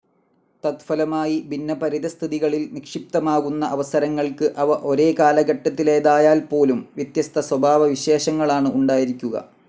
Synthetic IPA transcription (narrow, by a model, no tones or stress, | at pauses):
t̪ɐt̪fɐlɐmaːjibinːɐpɐɾiðɐst̪ʰiðiɣɐɭilnikʂip̚t̪ɐmaːɣunːɐʔɐʋɐsɐɾɐŋːɐɭkɨʔɐʋɐʔo̞ɾe̞ːkaːlɐɡɐʈːɐt̪ːile̞ːðaːjaːlpo̞ːlumʋjɐt̪jɐst̪ʰɐswɐbʱaːʋɐʋiɕe̞ːɕɐŋːɐɭaːɳɨʔuɳɖaːjiɾikʲːuɣɐ̰